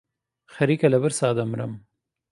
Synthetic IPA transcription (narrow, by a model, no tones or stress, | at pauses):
xaɾikalabəɾsɑːd̪amɾa̰m